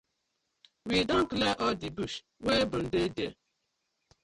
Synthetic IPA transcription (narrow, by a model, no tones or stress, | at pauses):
widɔŋ̩kleʔɔdibuʃ | webʊn̩dede